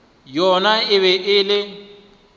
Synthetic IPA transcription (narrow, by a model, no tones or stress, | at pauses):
jɔnaɪβɛʔɪlɪ